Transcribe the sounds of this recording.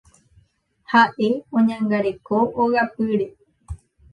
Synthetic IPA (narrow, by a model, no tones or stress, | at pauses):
haʔe̞õɲãŋɡaɾe̞koʔoɣapɨɾe̞